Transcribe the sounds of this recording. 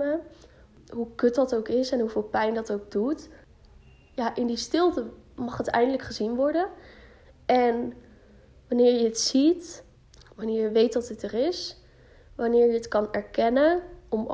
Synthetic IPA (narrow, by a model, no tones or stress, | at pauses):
ə | ɦukɵt̚dɑtowkɪsɛnɦuvɪːlˠpɛjndɑtowɡ̚dut | jaːʔɪndistɪlˠtəmɑχɦətɛ̰jndələkχəzinʋɔɹdən | ɛn | ʋɑnɪːɹjəətsit | ʋɑnɪːɹjəʋejtdɑtətərɪs | ʋɑnɪːɹjəətkɑnɛɹkɛnənɔm